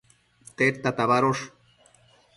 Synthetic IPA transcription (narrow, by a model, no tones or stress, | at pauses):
t̪eɾt̪at̪aβaɾoʂ